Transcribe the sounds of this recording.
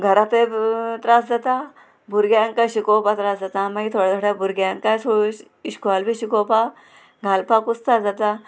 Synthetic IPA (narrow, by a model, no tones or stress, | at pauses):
ɡʱəɾapet̪ɾasd͡zat̪a | bʱuɾɡjaŋkaɕikopat̪ɾasd͡zat̪amait̪ʰoɽad͡zaʈabʱuɾɡjaŋkajsʰo | iɕkalbiɕikopa | ɡʱalpakust̪ad͡zat̪a